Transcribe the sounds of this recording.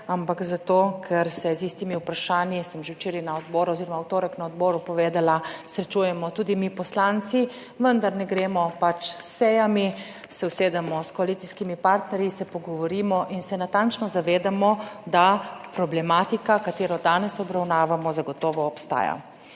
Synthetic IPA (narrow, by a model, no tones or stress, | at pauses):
ampakzat̪oːkʰɛɾsɛzist̪imiupɾaʃaːnjisəmʒewt͡ʃeːɾɛnaɔd̪bɔːɾuɔziɾɔmawt̪oːɾəknaɔd̪bɔːɾupɔʋeːd̪alasɾɛt͡ʃujɛmɔt̪uːd̪imipɔslant̪si | ʋənd̪aɾnɛɡɾeːmɔpat͡ʃsɛjami | sɛwseːd̪amɔskɔalit̪siskimipaɾt̪nɛɾjisɛpɔɡɔʋɔɾiːmɔʔinsɛnat̪ant͡ʃnɔzaʋeːd̪amɔd̪apɾɔblɛmaːt̪ikakat̪eːɾɔd̪aːnɛsɔbɾawnaːʋamɔzaɡɔt̪ɔːʋɔːpst̪a̰ːja̰